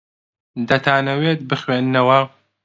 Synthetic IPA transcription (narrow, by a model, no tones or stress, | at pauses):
d̪ɐt̪ʰaːnɐweːt̪̚bɨxweːnːɐwɐ